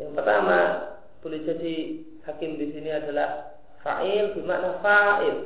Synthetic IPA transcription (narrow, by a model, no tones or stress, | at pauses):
jaŋpərt̪ama | pulisasi | hakɪmdisiniadalah | fa̰ʔɪldimaʔnafaʔɪl